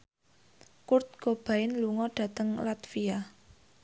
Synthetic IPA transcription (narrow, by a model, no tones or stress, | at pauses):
kʊrt̪̚ɡ̥o̤b̥a̤ɪnluŋɔɖ̥ä̤t̪əŋlat̪fia